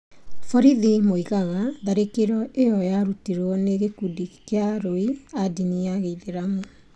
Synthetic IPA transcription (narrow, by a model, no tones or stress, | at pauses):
fɔɾiðimoiɣaɣaðaɾekeɾɔʔejɔjaɾutiɾwɔneɣekudikeaɾoiadiniaɣeiðeɾamo